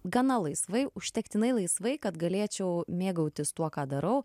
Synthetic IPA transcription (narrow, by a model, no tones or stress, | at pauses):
ɡɐnɐlˠɐɪsʋɐɪʊʃʲt̪ʲɛkt̪ʲɪnɐɪlˠɐɪsʋɐɪkɐt̪ɡɐlʲeːt͡ʃʲɛʊmʲeːɡɐʊt̪ʲɪst̪uɔkɑːd̪ɐɾɐʊ